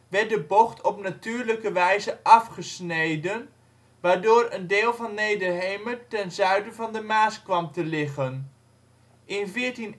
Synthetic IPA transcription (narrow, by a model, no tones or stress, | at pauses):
ʋɛɹt̚dəbɔχtʰɔpnatyːɹləkəʋɛjzəʔɑfχəsnejdən | ʋaːɹdoːɾəndɪːlˠvɑnːejdərɦejmətɛnzœɥdəvɑndəmaːskʋɑmtəlɪχən | ʔɪnvɪːɹtin